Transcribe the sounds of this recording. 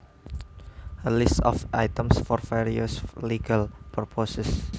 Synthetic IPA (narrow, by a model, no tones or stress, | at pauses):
əlist̪ɔ̰fʔajt̪ə̃msfɔrfeɹiəsliɡalpɾopʰosəs